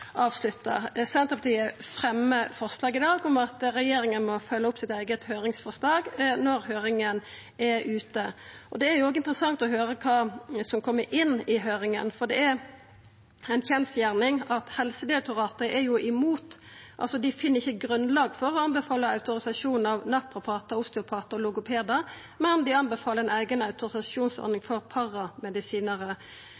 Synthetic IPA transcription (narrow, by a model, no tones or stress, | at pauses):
ɑːʋslʉt̪ːə̰sɛnt̪əpɑt̪ʰiːəfɾɛmːəfɔʁʂlɑːɡɪd̪ɑːɡʊmɑt̪ɾɛjeːɾɪŋənmɔfœlːəʊpsɪt̪æɪɡət̪høːɾɪŋsfɔʁʂlɑːɡnɔɾhøːɾɪŋən | ɛɾʉːt̪əɔd̪ɛæɾjʊoːɡəɪnt̪əʁəsɑŋt̪ɔɦøːɾəkʰɑːsɔmkʰɔmːəɾʔɪnːɪɦøːɾɪŋə̰nfɔʁd̪ɛæɾ | æɪnçɛnsjæʁnɪŋɑt̪hɛlsəd̪ɪɾɛk̚t̪ʊʁɑːt̪əɾəʔɛjʊʔɪmuːt̪ | ʔɑ̰lsɔd̪ɪfɪnːəʁɪçːəɡɾʉnlɑːɡfɔɾɔɑnbɛfɑːləɑʉt̪ʊɾɪsɑʂuːn̩ɑʋnɑpɾʊpʰɑːt̪əʊst̪ɛʊpʰɑːt̪əɔlʊɡʊpʰeːd̪ɑ | mɛnd̪ɪɑnbɛfɑːləɾɛnæɪɡənɑʉt̪ʊɾɪsɑʂuːnsɔ̰ɾnɪŋfɔɾpʰɑʁɑmɛd̪ɪsiːnəɾə